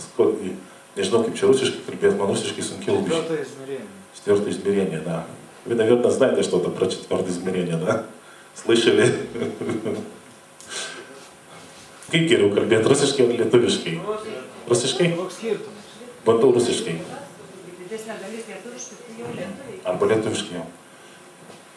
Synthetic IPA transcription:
skoʊɪ | nʲɛʒʲɪnɐʊkɐɪpt͡ʃʲɛɾʊsʲɪʃkɐɪkɐlʲbʲeːjt̪mɐnɾʊsʲɪʃkɐɪsʊŋʲkʲɛʃ | t͡ʃʲt̪ʲʋʲɪɾt̪oːɪzʲmʲɪɾʲiɛnʲeːd̪ɐ | ʋinʲɐɡɐnɐzʲnɐɪt̪ʲɪɐʃt̪oːt̪ɐpɾɐt͡ʃʲɛt̪ʲʋʲɪrt̪ɐɪzʲmʲɪɾʲiɛnʲid̪ɐ | slˠɐɪʃɛlʲɪ | kɐɪɡʲɛɾʲɛʊkɐlʲbʲeːt̪ɾʊsʲɪʃkɐɪɐlʲiɛt̪ʊʋʲɪʃkɐɪɾʊsʲɪʃkɐɪkit̪ʊ | bɐnd̪ɐʊɾʊsʲɪʃkɐɪ | dʲɪdʲɛsʲ | ɐrbɐlʲiɛt̪ʊʋʲɪʃkɐɪjɛʊ

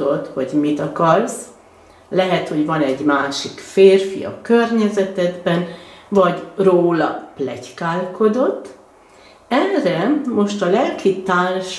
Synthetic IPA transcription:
ot̪ho̞ɟmit̪ɒkɒrs | lɛɦɛt̪ho̞ɟvɒnɛɟmaːʃikfeːrfḭɒ̰kørɲɛzɛt̪ɛd̪bɛnvɒɟroːlɒplɛckaːlko̞d̪o̞t̪ː | ɛnrɛmo̞ʃt̪ɒlɛlkit̪aːlʃ

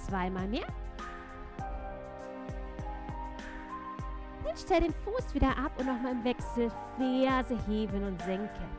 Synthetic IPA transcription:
t͡sv̥aɪmaːlmeːɐ | nʊnʃtɛldeːnfuːsv̥iːdɐʔapʊntnɔχmaːlɪmvɛksl̩fɛːɐzəheːbənʊntz̥ɪŋkʰən

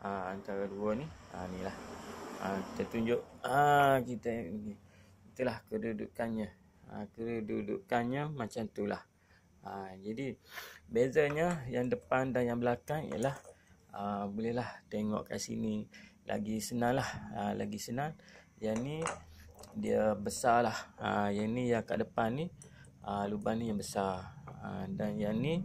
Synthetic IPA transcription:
ʔəant̪aɾaduəniə̰nilahəit̪ət̪uɲd͡ʒʊʔəkit̪ə | it̪ulahkədudṵkanɲə̃ | əkədududṵkanɲəmat͡ʃamt̪ula̰h | əd͡ʒadibezaɲəjaŋdəpandanjaŋbəlakaŋḭjə̰lahəbolɛhlaht̪eŋɔ̰ʔka̰ʔsḭnilʔa̰ɡisənãŋlahəla̰ɡisənãnjani | diəbəsalahə̰janijaka̰ʔdəpanːi | əlubahnijaŋbəsarədanjani

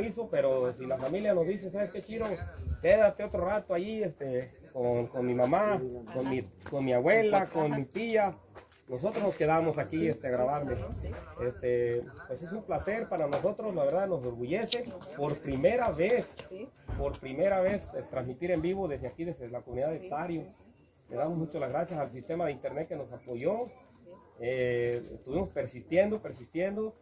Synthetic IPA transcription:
is̬ope̞ɾosilafamiljanozd̪is̬e̞saβeskekjeɾoke̞ðat̪eot̪ɾorat̪oajiest̪e | konkonmimamakonmikonmiawe̞lakonmit̪ia | no̞s̬o̞t̪ɾozno̞ske̞ðaβamosakiest̪eaɣɾaβaɾmeest̪epweses̬umplase̞ɾpaɾanoso̞t̪ɾoslaβeɾðaðno̞zðoɾβuʝe̞se̞po̞ɾpɾime̞ɾaβespo̞ɾpɾime̞ɾaβe̞sest̪ɾanzmit̪iɾe̞mbiβo̞ðezðeakiðezðeelakomuniðaðest̪aɾjo | leðaβamosmut͡ʃolazɣɾasjasals̬ist̪e̞maðeint̪eɾnet̪̚keno̞sapoʝo̞ | eḛst̪uβimo̞speɾsist̪je̞nd̪ope̞ɾsist̪je̞nd̪o

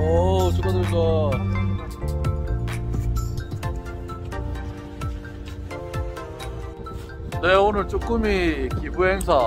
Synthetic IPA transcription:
ot͡ɕokadoɭsa | ne̞onɯɭt͡ɕ͈ok͈ɯmikibuɦe̞ŋsʰa

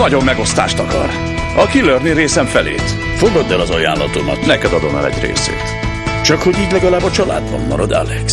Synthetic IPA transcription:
ɒɟo̞mːɛɡo̞st̪a̰ːʃt̪ɒkɒ̰r | ɒkilørniɾeːsɛɱfɛlḛːt̪ | foɡɒd̪ɛlɒzɒjaːnlːɒt̪o̞mɒt̪nɛkɛd̪ɒd̪o̞mɛ̰ːlɛ̰ɟrḛːsḛːt̪ | t͡ʃɒkho̞ɟiːɟlɛɡɒlaːbɒt͡ʃɒla̰ːd̪bɒ̰mːɒ̰ɾod̪ɛ̰lɛk

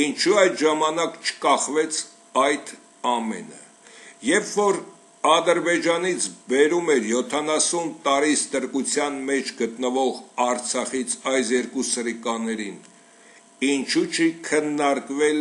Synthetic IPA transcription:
int͡ʃʰuɑjt̪ʒɑmɑnɑkt͡ʃʰə̥kɑχvɛt͡sʰ | ɑjt̪ʰ | ɑmɛ̰nə̰ | jɛpʰvɔɾ | ɑd̪əɾbɛd͡ʒɑnit͡sʰbɛɾumɛɾjɔt̪ʰɑnɑsunt̪ɑɾist̪əɾkut͡sʰjɑnmɛt͡ʃʰɡət̪nəvɔʁɑɾt͡sʰɑχit͡sʰɑjsjɛɾkusəɾikɑnɛɾin | int͡ʃʰut͡ʃʰikʰənːɑɾkvɛl

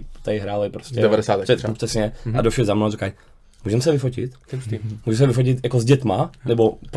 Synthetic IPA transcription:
t̪ɛjɦɾaːlɛpɾoscʲɛdɛvadɛsaːt̪ɛrɛsɲɛadofʃɛzamnozikaj | muːʒɛmsɛvɪfocɪ̰t̪muːʒɛms̬ɛvɪfoc̬ɪt̪jakozɟɛt̪manɛbop

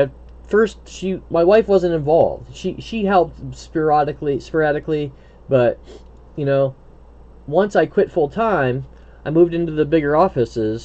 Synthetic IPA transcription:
ɨ | fɜ˞st̚ʃimaɪwaɪfwʌzɨ̃ntɨ̃ɱvɑ̰lˠvd̥ʃiʃiɦɛlˠp̚tspə˞ɑɾɨklispə˞æɾɨkli | b̥ʌt̚ | jɨnoʊ | wʌ̃nsaɪkʰw̥ɪtfʊlˠtʰãɪ̃m | aɪmuvdɪ̃ntʉðɨbɪɡə˞ɔfɨsɪz̥

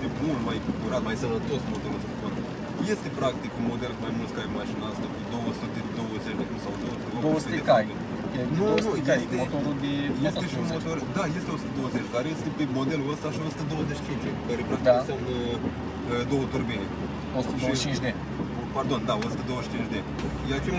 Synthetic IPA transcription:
emult̪majkukuɾat̪majsənnət̪o̞smo̞d̪elust̪pun | je̞st̪epɾakt̪ikunmo̞d̪e̞lkmajmult̪skajmaʃinast̪akud̪o̞wəsut̪ed̪o̞wəzet͡ʃʲd̪eumsawd̪owəsut̪ed̪od̪owwst̪t̪ekaj | enunud̪at̪emot̪oɾud̪ejeseʃiunmot̪ord̪aje̞st̪eo̞su̥t̪əd̪o̞wəzet͡ʃʲkaɾjest̪eemo̞d̪eluəst̪aʃiosu̥t̪əd̪owəzet͡ʃi̥t͡ʃint͡ʃd̪ekəɾepɾaktd̪aisʲaun | əd̪owət̪urbine | osu̥t̪eot͡ʃĩnt͡ʃʲd̪e | pard̪o̞nd̪aosu̥t̪əd̪o̞wəʃt͡ʃint͡ʃʲd̪e | jat͡ʃe

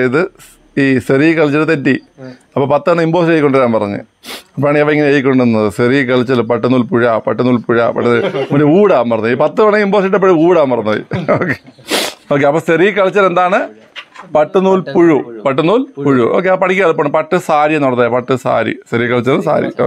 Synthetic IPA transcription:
ejiðɨ | iːserijkɐɭɐt͡ɕːɐʈɨt̪etːi | ɐpːoːpɐt̪ːɨɐɳːɨimboːsʈejikʲːoɳɖɨɾaːnpɐrɐɲːɨ̰ | ɐpoːaːɳɨɐʋɐeŋːɐneejikʲːo̞ɳɖɨnːɐðɨserijkɐɭɐt͡ɕːɐlpɐʈːɨnuːlpuɻaːpɐʈːɨnuːlpuɻa̰ːpɐ̰ʈːɨmɐnuuːɽaːmpɐrɐɲːɨiːpɐt̪ːɨʋɐɳɨimbo̞ːsiʈ̬ːɐpːɐɻiuːɽaːmpɐrɐɲːɐ̰jḭoːkːeo̞ːk̬ːeɐpːoːserijkɐɭɐt͡ɕːɐle̞nd̪aːɳɨ | pɐʈːɨnuːlpuɻupɐʈ̬ːɨnuːlpuɻuʔo̞ːk̬ːeɐpɐʈʰikʲːaːðɨpːoːɳːɨpɐʈːɨsaːɾijenːɐt̪ːaːjapɐʈːɨsa̰ːɾḭseɾijkːɐɭɐt͡ɕːɐlsa̰ːɾḭ

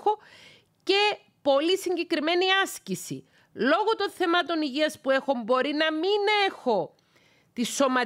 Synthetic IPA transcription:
o | ce̞ | po̞lisiɲɟe̞kɾime̞niɐscisḭ | lo̞ɣo̞t̪o̞nθe̞mɐt̪o̞niʝiɐspue̞xo̞mbo̞ɾinɐmine̞xo̞ | t̪isːo̞mɐ

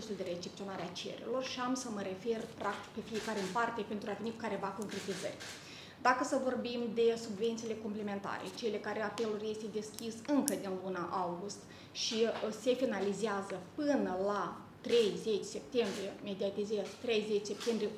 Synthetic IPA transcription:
usuld̪e̞ɾe̞t͡ʃep̚t̪sionaɾeat͡ʃe̞̰ɾḛlo̞rʃiamsəməɾe̞fe̞rpɾʔak̚t̪i̥k̚pe̞fije̞kaɾeɨmpart̪e̞pent̪ɾuave̞nikukaɾe̞vako̞ŋkɾe̞t̪izə̰rʲ | d̪akəsəvo̞rbimd̪e̞subve̞nt̪sile̞kompleme̞nt̪a̰ɾḛt͡ʃelekaɾeape̞lurje̞st̪e̞d̪e̞skʲisɨŋkəd̪inlunaʔawɡust̪ | ʃise̞finalizeazəpɨnəla | t̪ɾe̞jze̞t͡ʃʲse̞p̚t̪e̞mbɾijeme̞d̪iat̪izezt̪ɾe̞jzet͡ʃʲse̞p̚t̪e̞mbɾije

